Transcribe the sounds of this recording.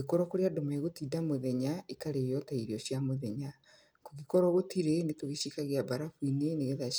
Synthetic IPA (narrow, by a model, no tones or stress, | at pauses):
ekɔɾɔkoɾeadomaeɣotidamoðɛɲaikaɾejɔtaiɾiɔɕjamoðɛɲa | koɣikɔɾɔɣotiɾenetoɣiʃikaɣeabaɾafwineneɣeða